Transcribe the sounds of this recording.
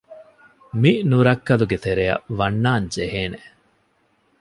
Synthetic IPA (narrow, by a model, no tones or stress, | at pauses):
minuɾɐkːɐluɡet̪eɾejɐ̰ʋɐnːaːɲd͡ʒeɦeːne